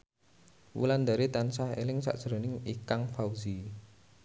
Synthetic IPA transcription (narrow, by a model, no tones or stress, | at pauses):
wṵland̪aɾit̪ansahḛlɪŋsa̰ʔdʒ̥əɾonɪŋikaŋfawzi